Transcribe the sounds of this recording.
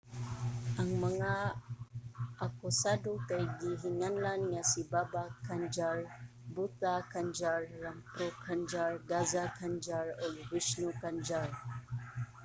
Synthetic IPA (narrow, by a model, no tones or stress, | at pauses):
aŋməŋa | akusadukajɡiɦiŋanlanŋasibabakːand͡ʒar | but̪akand͡ʒarːampɾokʰand͡ʒarɡazakʰand͡ʒaɾɔlwisnukand͡ʒar